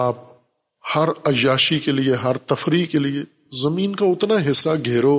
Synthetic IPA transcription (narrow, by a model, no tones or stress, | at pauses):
aːp̚ | hɐɾɐd͡ʒaːʃikelieɦɐɾt̪ɐfɾikelie | zɐmĩːnkaʊt̪naɦɪsːaɡʱeːɾoː